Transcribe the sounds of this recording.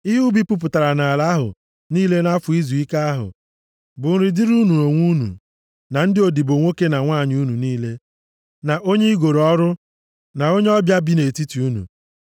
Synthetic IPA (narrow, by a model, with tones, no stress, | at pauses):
i˦ɦu˦bi˦pʊ˦p̬ʊ˨ta˨ɾa˨na˨la˦ɦʊ̰˨ | niː˦le˦na˦fʊ˨i˦zu˨i˦ka˦a˦ɦʊ̰˨ | bʊ˨n̩˦ɾɪ˦di˦ɾu˦nu˨o˨ŋʷu˦nṵ˨ | na˨n̩˦dɪ˦o˨di˨bo˨ŋʷo˦ke˦na˨ŋʷaː˦˨ɲ˦u˦nu˨niː˦le˦ | na˨ʔo˦ɲe˦i˦ɡo˨ɾɔ˦ɾʊ˦ | na˨o˦ɲe˦ɔ˦bja˦bi˦ne˨ti˦ti˨u˦nṵ˨